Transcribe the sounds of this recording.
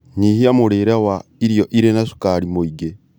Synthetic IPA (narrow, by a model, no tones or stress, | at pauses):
nihiamoɾeːɾɛwaiɾjɔʔiɾenaʃu̥kaɾimoiɡe